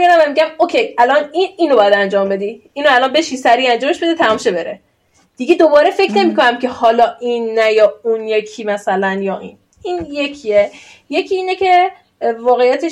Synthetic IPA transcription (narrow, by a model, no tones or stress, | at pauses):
iɾæmvæmiɟʲæmokʰejælɒniniːnobɒːjæd̪ænd͡ʒɒːmbe̞d̪iiːnoælɒːnbe̞ʃisæɾiænd͡ʒɒːme̞ʃbe̞d̪it̪ʰæmɒːmʃebe̞ɾe | d̪̥iɡed̪obɒːɾe̞fe̞cʰne̞miːkonæmkʰe̞hɒːlɒːʔinːæjɒːunjekʰiːmæsælænjɒːʔḭːn | iːnjecʰie | je̞cʰiiːnecʰe | vɒːɣejæt̪ʰe